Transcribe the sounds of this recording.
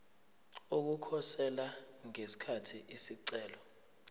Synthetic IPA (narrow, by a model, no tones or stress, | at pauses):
ok̬ukʰɔsɛla | ŋesi̥kʰatʰiʔisiǀɛːlɔ